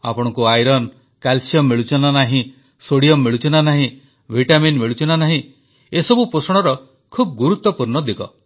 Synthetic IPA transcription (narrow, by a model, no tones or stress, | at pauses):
a̰pɔɽ̃ɔ̃ŋkuajɾɔn | kalsiɔmːeɭut͡ʃʰɔnanaɦĩ | soɽiɔmːeɭut͡ʃʰɔnanaɦĩ | bʱiʈaminmeɭut͡ʃɔnanaɦĩ | esɔbupɾosɔɽ̃ɔɾɔ | kʰub̚ɡuɾut̪ːɔpuɾnɔd̪ikɔ̰